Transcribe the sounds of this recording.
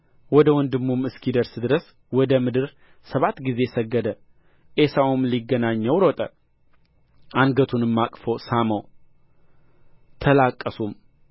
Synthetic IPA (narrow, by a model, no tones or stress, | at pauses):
wɔd̪əwɔnd̪ɨmːumɨskʰid̪əɾsd̪ɨɾəs | wɔd̪əmɨd̪ɨɾ | səβat̪ːɡize̞səɡːəd̪ə | ʔesawumliɡːənaɲːəwɾɔt̪ʼə | ʔanɡət̪ʰunɨmːakʼfosaməw | t̪ʰəlakʼːəsum